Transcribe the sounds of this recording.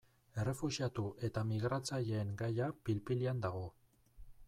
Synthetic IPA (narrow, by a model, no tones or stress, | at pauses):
e̞re̞fuʒiat̪uʔe̞t̪amiɣ̞ɾat͡saʎeːŋɡajapilpiliand̪aɣ̞o̞